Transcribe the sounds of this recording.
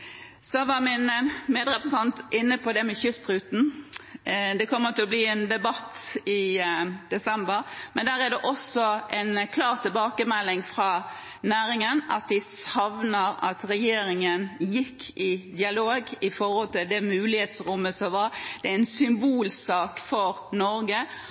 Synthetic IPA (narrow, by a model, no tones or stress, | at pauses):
sɔʋɑɾmɪnmeːd̪ɾɛpɾəsɛnt̪ʔɪnːəpʰɔd̪ɛmɛçʏst̪ɾʉːt̪n̩ | d̪ɛkʰɔmːət̪ɪlɔbliːɛnd̪ɛbɑt̪ːɪd̪̥ɛsɛmbəɾmɛnd̪æːɾæd̪ɛʔɔsɔʔɛnkʰlɑːɾt̪ʰɪlbɑːkəmɛlːɪŋfɾɑ | næːɾɪŋənʔɑt̪̚d̪ɪsɑʋnəɾɑ̰t̪ɾɛjeːɾɪŋənjɪkʰːɪd̪ɪɑloːɡɪfɔɾhɔlt̪ɪld̪ɛmʉːlɪheːt̪sɾʊmːəsɔʋɑɾd̪̥ɛæɪnsʏmbuːlsɑːkfɔɾ | nɔɾɡə